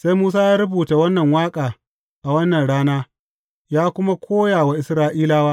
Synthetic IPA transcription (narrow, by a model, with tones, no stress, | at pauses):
se˦jmuː˦saː˦jaː˦ɾʊ˦buː˨ta˨wɐ˦nːɐ˨ŋwaː˦kʼaː˨ | ʔa˨wɐ˦nːɐ˨nɽaː˦naː˦ | jaː˦kʷʊ˦ma˦kʷʰoː˦jaː˨wa˨ʔɪ˨sɾaː˦ʔiː˦laː˦waː˦